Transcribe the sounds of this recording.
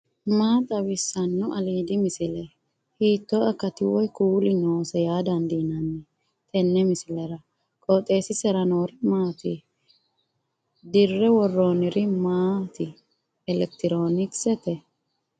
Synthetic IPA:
maːt̪ʼɐbɪsːɐnːʊʔɐliːd̪ɪmɪsɪlɛ | hiːt̪ːɔɐkːɐt̪ɪwɔjkuːlɪnoːsɛjaːd̪ɐnd̪inɐnːɛ | t̪ʰʼɛnːɛmɪsɪlɛɾɐ | kʼɔt̪ʼːe̞ːsɪsɛɾɐnoːɾɪmaːt̪ɪ | d̪ɪrːɛwɔrːoːnɪɾɪmaːt̪ɪ | ɛlɛk̚t̪ɪɾo̞ːnɪksɛt̪ɛ

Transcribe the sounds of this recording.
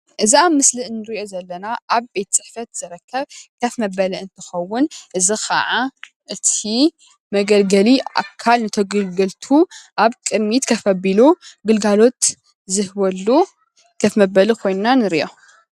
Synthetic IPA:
ʔɨziamːɨsliʔnːɨɾiʔo̞zɐlːɐnaʔaβbe̞t̪t͡sʼɨħfɐt̪z̥ɨɾɐkʰːɐβkʰɐfmɐbɐliɨnt̪ʰɨ̥xɐwːʊnʔɨzixɐ̰ʕa | ʔɨt̪ʰi | mɐɡɐlɡɐlia̰kʰːalnɨt̪ʰɐɡɨlɡɨlt̪ʰuʔaβkʼɨd̪mit̪kʰɐfɐbiluɡɨlɡalo̞t̪ | zɨhbɐlːu | kʰɐfmɐbɐlikʰo̞jnnanɨɾiʔo

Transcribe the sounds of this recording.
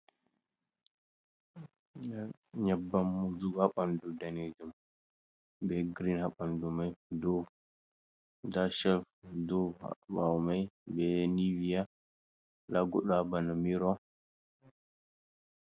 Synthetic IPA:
ɲabːamːud͡ʒuɡhaɓandudaned͡ʒum | bɛɡɾinhaɓandumajdɔw | daʃɛlfdɔbawmajbɛnivija | laɡɔɗabanamiɾɔ

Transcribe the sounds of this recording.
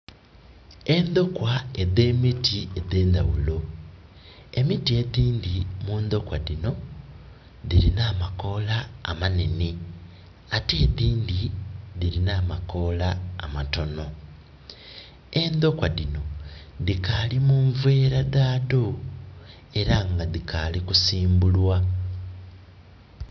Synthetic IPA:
e̞nd̪o̞kwaeðe̞ːmitʰieðe̞ːnd̪a̰wulo̞ | e̞mitie̞ðiːndimuːnd̪o̞kwaðino̞ | ðiɾinaːmako̞laːmane̞ne | ateːðiːnd̪iðilinaːmako̞laːmato̞no̞ | e̞nd̪o̞kwadino̞ | ðikalimuːɱvwe̞ːɾaðaːdo | e̞ɾaŋɡaðikʰalikusiːmbulwa

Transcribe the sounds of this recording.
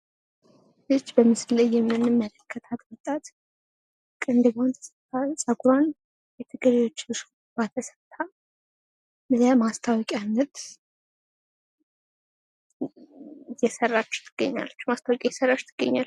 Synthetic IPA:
ɨt͡ʃːbəmɨsɨllːəjːɛmːɨnːɨmːələkʰːət̪ʰat̪wɔt̪ʼat̪ | kʼɨnd̪ɨbant̪ʰə̥sət̪ʰːasʼəɡuɾan | jɛt̪ʰɨɡəɾejwo̞t͡ʃːlɨʃ | bat̪ʰəsət̪ʰːa | bəzjamast̪ʰawɔkʼanːət̪ | jɛsərːat͡ʃːt̪ʰɨɡ̥ə̰ɲːa̰lːət͡ʃːmast̪ʰawɔkʼajɛsərːat͡ʃːt̪ʰɨɡ̥ːə̰ɲːalː

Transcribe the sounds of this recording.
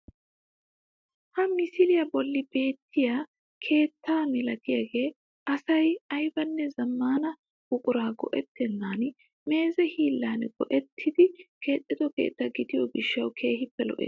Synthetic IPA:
hɐmɪsɪlɪjɐbɔlːɪbe̞ːt̪ːɪja | kʰe̞ːt̪ʰːaːmɪlɐt̪ɪjɐɡe̞ː | ɐsɐjɐjbɐnːɛzɐmːaːnɐ | ʊkʼʊɾaːɡɔ̰ʔɛt̪ːɛnːaːn | me̞ːzɛhiːlːaːnɡ̥ɔʔɛt̪ʰːɪd̪ɪke̞ːt̪ʼːɪd̪ɔke̞̰ːt̪ːɐɡɪd̪ɪjɔɡɪʃːɐwkʰe̞ːhɪpːɛlɔ̰ʔɛ̰ː

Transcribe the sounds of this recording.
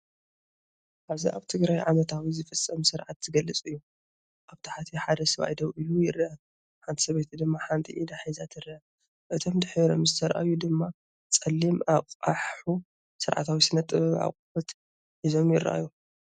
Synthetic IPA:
ʔaβziʔaβt̪ʰɨɡɾajʕamɐt̪ʰawizɨfɨt͡sʼːɐmsɨɾʕat̪zɨɡɐlːɨt͡sʼɨjːu | ʔaβt̪ʰaħat̪ʰiħad̪ɐsɐβa̰jd̪ɐwʔɨlujɪɾːʔa | ħant̪ʰi̥sɐβet̪ʰd̪ɨmːaħant̪ʰḭʔid̪aħizat̪ʰɨɾaa | ʔɨt̪ʰo̞md̪ɨħɾɾo̰mzɨt̪ʰɐɾʔa̰jud̪ɨmːa | t͡sʼɐlːimaqʼaħħu | sɨɾʕa̰t̪ʰawisɨnɐt̪ʼɨβa̰qʼbɐt̪ | ħizo̞mjɪɾ̰ʔa̰ju

